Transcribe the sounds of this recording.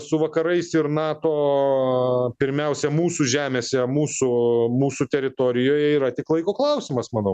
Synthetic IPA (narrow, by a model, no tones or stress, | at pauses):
sʊʋɐkɐɾɐɪsɪɾnɑːt̪oː | pʲɪɾʲmʲɛʊsʲɛmuːsuːʒʲæːmʲeːsʲɛmuːsʊmuːsut̪ʲɛɾʲɪt̪oɾʲɪjoːjɛiːɾɐt̪ʲɪklˠɐɪkoːklˠɐʊsʲɪmɐsmɐnɐʊ